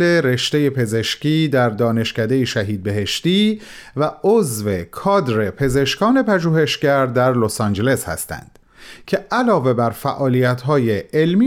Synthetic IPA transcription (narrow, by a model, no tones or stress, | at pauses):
e̞ɾe̞ʃt̪e̞je̞pʰe̞ze̞ʃciːd̪æɾd̪ɒːne̞ʃcæd̪e̞jeʃæɦiːd̪̚be̞ɦe̞ʃt̪iː | væozve̞kʰɒːd̪ɾe̞pʰe̞ze̞ʃkɒːne̞pʰæʒuːhe̞ʃcæɾd̪æɾlosɑːnd͡ʒe̞le̞shæ̰st̪æ̰nd̪̥ | cʰe̞ʔælɒːve̞bæɾfæʔɒːlijæt̪ʰɦɒːjeelmi